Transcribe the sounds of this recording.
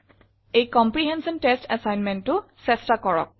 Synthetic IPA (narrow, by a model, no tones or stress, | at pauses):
ejkɔmpɹiɦɛnsɔntestɛsajnmɛntʊsɛstakɔɹɔ̰k̚